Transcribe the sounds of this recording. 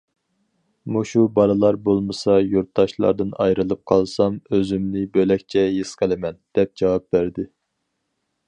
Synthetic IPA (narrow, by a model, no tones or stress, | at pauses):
muʃubɑɾɨlˠɑɾbolˠmɨsɑjuɾt̪̚d̪ɑʃlˠɑ̰ɾd̪ɨnɑjɾɨlˠɨp̚qʰɑlˠsɑmøzymnɪbølɛkʲt͡ʃʰɛjɨsqəlˠɪmɛnd̪̥ɛp̚d͡ʒɑwɑp̚bæɾd̪ɪ